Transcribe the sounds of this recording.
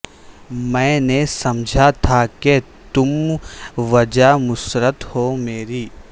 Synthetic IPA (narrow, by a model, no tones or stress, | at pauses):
mɛ̃ːnesɐmd͡ʒʱat̪ʰake | t̪ʊm | ʋɐd͡ʒamʊsɾət̪hoːmeːɾiː